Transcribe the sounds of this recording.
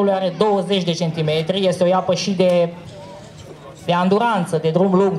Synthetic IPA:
ulujaɾe̞d̪o̞wəze̞t͡ʃʲd̪e̞t͡ʃe̞nt̪ime̞t̪ɾije̞st̪eojapəʃid̪e̞ | d̪eand̪uɾant̪səd̪e̞d̪ɾumluŋɡ

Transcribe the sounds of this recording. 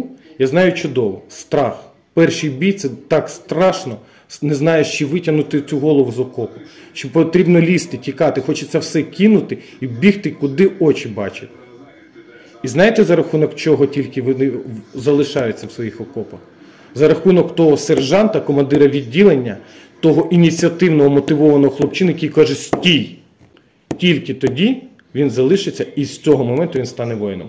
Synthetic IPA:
jaznɑjʊt͡ʃʊd̪ɔʋɔst̪ɾɑx | pɛrʃijbʲijt̪sɛt̪ɑkst̪ɾɑʃnɔ | nɛznɑjeʃt͡ʃɪʋɪtʲɐnʊt̪ɪt͡sʲuɦɔlˠɔʋʊzɔkɔpʊʃt͡ʃɔpɔt̪ɾʲibnɔlʲist̪ɪtʲikɑt̪ɪxɔt͡ʃɪt͡sʲɛwsɛkʲinʊt̪ɪ | ibʲixt̪ɪkʊd̪ɪɔt͡ʃɪbɑt͡ʃɪt̪̚ʲ | iznɑjet̪ɛzɐɾɐxunɔkt͡ʃɔɦɔtʲilʲkɪʋɔnɪzɐlˠɪʃɑjʊt͡sʲːɐwsʋɔjixɔkɔpɐx | zɐɾɐxunɔkt̪ɔɦɔserʒɑnt̪ɐkɔmɐnd̪ɪɾɐʋʲidʲːilˠenʲːɐ | t̪ɔɦɔʔinʲit͡sʲiɐt̪ɪwnɔɦɔmɔt̪ɪʋɔʋɐnɔɦɔxlˠɔpt͡ʃɪnɐjɐkʲijkɑʒʊsʲtʲij | tʲilʲkɪt̪ɔdʲi | ʋʲinzɐlˠɪʃɪt͡sʲːɐist͡sʲɔɦɔmɔmɛnt̪ʊʋʲinst̪ɑnɛʋɔjnɔ̰m

